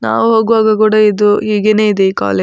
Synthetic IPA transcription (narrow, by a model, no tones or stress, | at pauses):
na̰ːʋuɦoːɡʋaːɡɐkuːɽɐid̪uɦiːɡe̞ne̞ːid̪eiːka̰ːle